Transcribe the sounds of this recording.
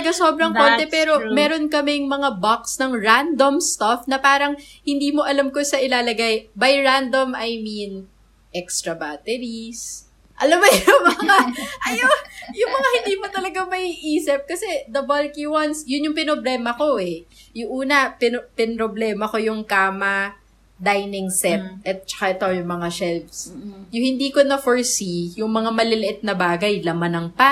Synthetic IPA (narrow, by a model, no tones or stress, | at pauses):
ɐɡaso̞ːbɾɐŋko̞ːnt̪ɛpɛːɾo̞mɛːɾo̞nkɐmɛŋmɐŋabaksnɐŋɹand̪omst̪afnɐpaːɾɐŋ | hɪnd̪iːmo̞ʔɐlamkosɐʔɪlaːlɐɡajbɐjɹand̪omɐjmin | ʔɛkst̪ɾɐbaːt̪ɛɾis | ʔɐlɐmɐjʊŋmɐŋaʔɐjojʊmɐŋahɪnd̪iːmot̪ɐlɐɡamɐiʔiːsɪp̚kɐsɛd̪ɐbɐlkiwansjʊnjʊŋpɪnoblɛːmɐko̞ʔɛjʊŋʔuːnɐpɪnpɪnɾoblɛːmɐko̞jʊŋkaːmɐ | d̪ajnɪŋsɛp̚ʔɛt̪̚t͡ʃɐ̥kaʔɛt̪ojʊŋmɐŋaʃɛlvsjʊhɪnd̪iːkonɐfoɹsijʊŋmɐŋamɐlɪlɪʔɪt̪̚nɐbaːɡɐjlɐmanɐŋpa